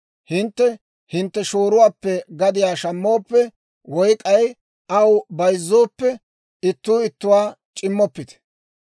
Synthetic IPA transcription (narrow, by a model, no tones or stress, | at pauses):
hɪnt̪ːɛ | hɪnt̪ːɛʃoːɾʊwaːpːɛɡɐd̪ɪjaːʃɐmːoːpːɛ | wɔjkʼɐj | ɐwbɐjzːoːpːɛ | ɪt̪ːuːɪt̪ːʊwaː | t͡ʃʼɪmːɔpːɪt̪ɛ̥